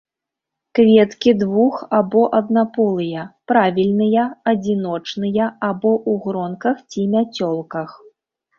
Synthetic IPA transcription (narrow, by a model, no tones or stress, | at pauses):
kvʲɛt̪kʲid̪vuxabɔʔɐd̪napɔlˠɨjɐpɾavʲilʲnɨjɐɐd͡zʲinɔt͡ʂnɨjɐabɔʔuɣɾɔnkɐxt͡sʲimʲat͡sʲɔlˠkɐx